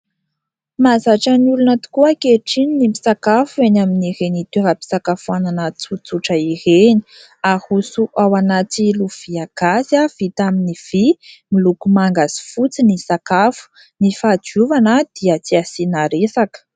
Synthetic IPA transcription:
mazaʈ͡ʂəniulunət̪u̥kuəkeʈ͡ʂininimisakafuenaminiɾenit̪eɾapi̥sakafuananət͡sut͡suʈ͡ʂəiɾeni̥ | ahusuʔawanat̪iluv̥iaɡ̥asav̥it̪aminiv̥imilukumaŋɡazi̥fut͡sinisakafu̥ | nifad͡ʒuvanəd̪̥iət͡siasinaɾesakə̥

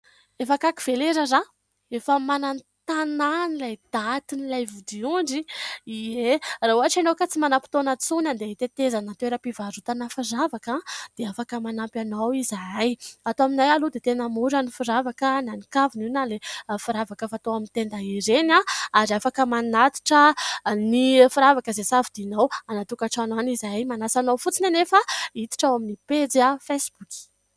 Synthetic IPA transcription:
efakakiv̥eleɾəza | efəmanan | t̪ananilajd̪at̪inilajvud̪iuɳɖ͡ʐiieraɦuaʈ͡ʂanokat͡simanapi̥t̪onət͡sunand̪eɦit̪et̪ezanat̪eɾəpivaɾut̪anəfiɾavakad̪̥eafakəmanampʲanawizaajat̪oaminajalud̪et̪enəmuɾanifiɾavakənanikavininalefiɾavakəfat̪oamint̪end̪aiɾenaaɾafakəmanat̪i̥ʈ͡ʂənifiɾavakəzesavid̪inawanat̪ukaʈ͡ʂananizajmanasanawfut͡sinanefəit̪i̥ʈ͡ʂawaminiped͡ziafesbuki̥

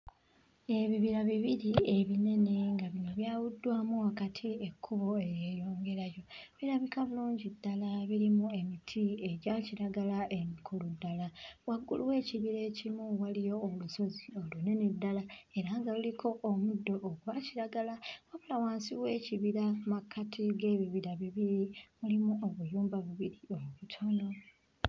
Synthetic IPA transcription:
e̞βiβiɾaβiβiɾie̞βine̞ne̞ŋɡaβino̞βjaːwudːwaːmuakatʰie̞kʰːuβo̞e̞je̞jo̞ːŋɡe̞ɾajo̞βiɾaβikaβuluːɲɟidːalaβiɾimue̞mitʰie̞ɟaciɾaɡalaʔe̞mikʰuludːalawaɡːṵluwe̞ːciβiɾe̞ːcimuwalijo̞ːluso̞zio̞lune̞nidːalae̞ɾaːŋɡaulikʰo̞ʔːmudːo̞ʔːkuβaciɾaɡalawaβulawaːnsiβwe̞ːciβiɾamakʰːatʰiɡe̞ːβiβiɾaβiβiɾimulimuʔo̞βujuːmbaβiβiɾio̞muβutʰo̞no̞

